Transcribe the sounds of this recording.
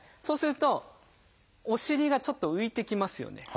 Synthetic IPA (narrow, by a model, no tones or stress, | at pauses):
so̞ːsɨɾɯ̟t̪o̞ | oɕiɾʲiɡat͡ɕo̞t̪ːo̞ɯ̟it̪e̞kʲimasɨjo̞̰ne̞̰